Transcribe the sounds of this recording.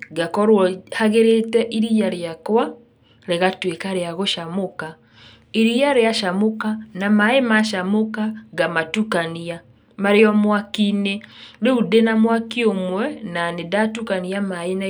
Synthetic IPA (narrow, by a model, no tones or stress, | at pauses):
ɡakɔɾwɔhaɣeɾetɛʔiɾijaɾeakwa | ɾeɣatwekaɾeaɣoʃamoka | iɾijaɾeaʃamokanamaemaʃamokaɡamatukania | maɾeɔmwakineɾeudenamwakiomwɛnanedatukaniamaena